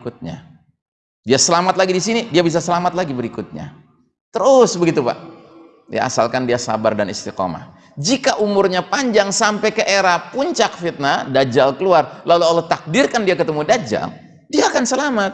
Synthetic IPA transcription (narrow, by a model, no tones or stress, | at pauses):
kut̪̚ɲa̰ | diasəlamat̪̚laɡidisinidiabis̬asəlamat̪̚laɡibəɾikʊt̪̚ɲa̰ | t̪əɾʊsbəɡit̪upa̰ʔ | ja̰a̰sa̰lkandiasa̰bardanḭst̪iqɔ̰ma̰h | d͡ʒikaʔumʊrɲapaɲd͡ʒaŋsampɛkəʔeɾapuɲt͡ʃak̚fit̪̚nadad͡ʒalkəluarlalualɔht̪ak̚dɪrkandiakət̪əmudad͡ʒa̰l | diaːkansəlamat̪̚